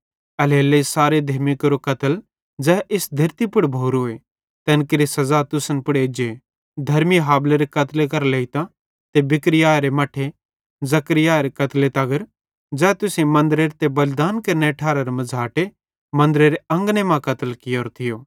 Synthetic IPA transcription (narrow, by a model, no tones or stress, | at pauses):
ɐleːlesaːɾed̪ʱɐːmɪkɾokɐt̪əl | d͡zɛːʔɪsd̪ʱɐɾt̪ipʊɽbʱoːɾoːe | t̪ɛ̃ːnkɪɾisɐzat̪ʊsənpʊɽeːd͡ʒe | d̪ʱɐɾmiɦaːbleɾekɐt̪lek̬ɐɾleːit̪ã | t̪ebɪkɾɪjaːeɾemɐʈʰe | zɐkɾɪjaːeɾekɐt̪let̪ɐɡəɾ | d͡zɛːt̪ʊsẽmɐ̃nd̪ɾeɾet̪ebɐlɪd̪aːnkɐɾneʈʰaːɾɐɾomɐd͡zʱaːʈe | mɐ̃nd̪ɾeɾeɐ̃ŋɡnemãkɐt̪əlkɪjoːɾt̪ʰɪjoː